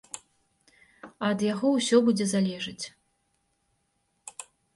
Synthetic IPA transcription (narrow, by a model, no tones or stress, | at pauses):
ɐd̪jaɣɔwsʲɔbud͡zʲɛzalʲɛʐɨt͡sʲ